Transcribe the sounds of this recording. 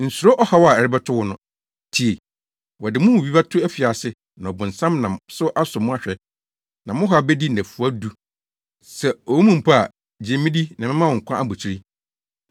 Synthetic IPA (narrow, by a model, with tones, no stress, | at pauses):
n̩˨su˨ɾo˦ʔɔ˦ha˦wɔ˦a˨ɛ˨ɾɪ˦bɛ˦tʰʊ˦wɔ˦nʊ̃˦ | tʰi˨e˨ | wɔ˨dɪ˨mʊ̃˦wwi˦ba˦tʰʊ˦æ˦fi˨a˨sɪ˦ | nã˨ɔ˨bʊ̃˨n̩˨sã˦mnã˨msʊ˦ʔa˦sʊ˨mʊ̃˦a˦ɕᶣɛ˨ | nã˨mʊ̃˦ɦa˨bɛ˦di˦næ̃˨fu˨a˦du˦ | sɛ˨ɔ˨wu˦mũ˦˨m̩˨pʰa˦a̰˨ | d͡ʑɛ̃˨mɪ̃˦di˦nã˨mɪ̃˦mã˦wɔ̃˨ŋ̩˨kʰʷã˦ʔa˦bʊ˨t͡ɕʰi˦ɾi˦